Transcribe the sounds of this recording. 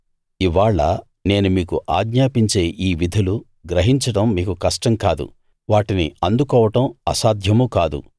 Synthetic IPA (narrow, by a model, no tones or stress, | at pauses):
iʋaːɭːɐ̰ | ne̞ːnumiːkuʔaːɡɲaːpiɲt͡ʃe̞ːʔiːʋid̪ʱɐlu | ɡɾɐɦiɲt͡ʃɐɽɐmːiːkukɐʂʈɐmkaːd̪ṵ | ʋaːʈinḭɐnd̪ukɔːʋɐʈɐmɐ̰saːd̪ʱjɐmukaːd̪ṵ